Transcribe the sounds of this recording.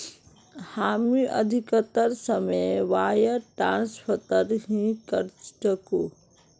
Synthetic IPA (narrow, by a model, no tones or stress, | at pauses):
haːmiʔɐ̰d̪ʱikət̪əɾsəmeʋaːjəʈɾãːnspʰət̪əɾɦĩkəɾt͡ʃʈəko